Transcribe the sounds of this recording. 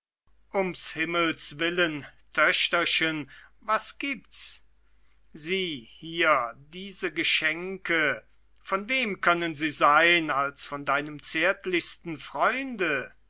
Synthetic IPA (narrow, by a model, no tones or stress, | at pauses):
ʔʊmshɪməlsvɪləntʰœɕtɐʃənvasɡ̥iːp̚ts | ziːhiːɐdiːzəɡəʃɛŋkʰə | fɔnveːmkʰœnənziːzaɪnalsfɔndaɪnəmt͡seːɐtlɪçstn̩fʁ̥ɔʏndə